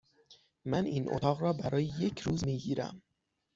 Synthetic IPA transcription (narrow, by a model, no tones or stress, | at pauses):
mæniːnʔo̰t̪ʰɒːɣɾɒːbæɾɒːjeje̞cʰɾuːzmiːɟiːɾæ̰m